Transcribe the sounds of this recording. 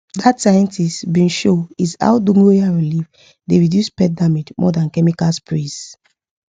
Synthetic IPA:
datsajɛ̃ntistbĩnʃoiza̰ʊdũŋeaɹilif | deɹidjuspɛdamid͡ʒmɔ̰dãnkɛmikalspɹis

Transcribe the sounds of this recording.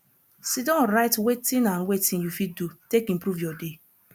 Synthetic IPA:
sidɔ̃ɾaɪtwetĩnãnwetĩnjufidutekĩmpɾuvjɔde

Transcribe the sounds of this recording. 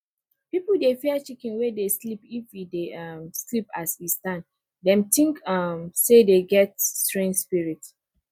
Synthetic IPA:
pipl̩defiat͡ʃikĩnwedeslipifideʌmslipa̰sistãnd | dɛ̃mtĩŋkʌmsedeɡɛtstɹẽnspiɹit

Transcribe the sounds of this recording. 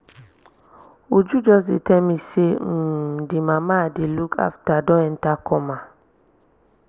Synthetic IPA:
od͡ʒud͡ʒɔzɪtɛmĩsem̩dimãmadɪlukʰa̰ftadɔ̃ɛn̩takɔmã

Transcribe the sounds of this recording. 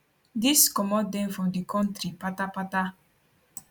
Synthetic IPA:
diskɔmɔdɛ̃nfɹɔ̃mdikɔ̃ntɾipatapata

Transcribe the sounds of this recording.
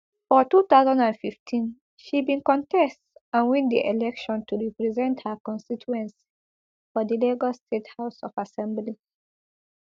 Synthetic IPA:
fɔtut̪aʊzãndãnfiftʰĩn | ʃibĩnkɔ̃ntʰɛstãnwĩnd̪ḭʔelɛkʃɔ̃ntʰuɹipɹizɛ̃nthəkɔ̃nstit͡ʃuɛ̃ns | fɔdileɡɔstʰethaʊsɔfasɛ̃mbli

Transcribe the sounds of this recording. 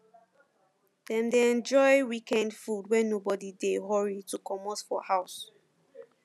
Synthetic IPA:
d̥ɛ̃ndeɛ̃nd͡ʒɔɪjwikɛ̃ndfudwɛ̃nobɔdideɦɔɹitukʰɔmɔtfɔhaʊs

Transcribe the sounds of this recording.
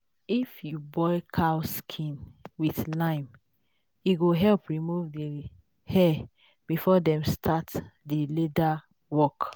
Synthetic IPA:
ifjubɔɪkʰaʊskʰĩnwiθlãɪ̃m | iɡoɦɛlpɹimuvdi | hɛ | b̥ifɔdɛ̃mstʰatdileda | wɔk

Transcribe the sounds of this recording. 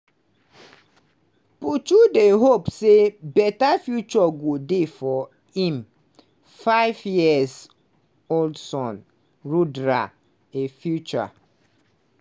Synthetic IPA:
put͡ʃudeɦopsebɛtafjut͡ʃɔɡodefɔ | ĩm | faɪvjiɛz | oldsɔ̃n | ɹudɾa | efjut͡ʃa̰

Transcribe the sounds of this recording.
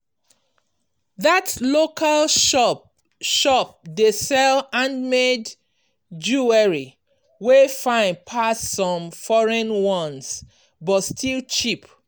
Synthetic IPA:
ðatlokʰal | ʃɔp̚desɛlãnmed | d͡ʒuɛɹi | wefãɪ̃npʰasːɔ̃mfɔɹɛ̃nwɔ̃ns | bɔtstʰilˠt͡ʃip

